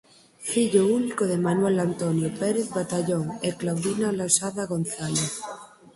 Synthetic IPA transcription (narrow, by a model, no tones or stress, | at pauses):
fiʎounikoð̞emanwelant̪onjopeɾeθβat̪aʎoŋeklawðinalasaðaɣonθaleθ